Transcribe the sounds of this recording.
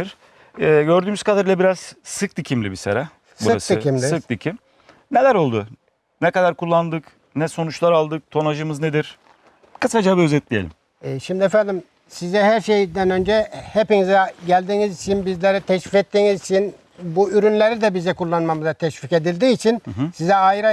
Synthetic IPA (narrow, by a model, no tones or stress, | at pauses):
iɾ | ɛːɟø̞ɾd̪yːmyz̥kʰad̪aɾɯlˠabiɾaz̥sɯk̚d̪icʰimlʲibisḛɾa | sbuɯɾasd̪icimlʲiɯk̚d̪icʰim | ne̞lʲæɾo̞lˠd̪u | nɛkad̪aɾkʰulˠːand̪ɯk | nɛso̞nut͡ʃlˠaɾalˠd̪ɯk̚t̪ʰo̞naʒɯmɯzned̪iɾ̥ | kʰɯsad͡ʒabiø̞zɛt̪lʲijelʲḭm | ɛːʃimd̪iefænd̪im | sizɛɦæɾʃejd̪ænø̞nd͡ʒɛhepinizɛɟælʲd̪iːnizit͡ʃʰinbizlʲeɾɛt̪ʰɛʃvicɛt̪ːiːnizit͡ʃʰin | buyɾynlʲe̞ɾid̪ɛbizɛkulˠːanmamɯzat̪ʰɛʃvike̞d̪ilʲd̪iːit͡ʃʰinsizɛajɾa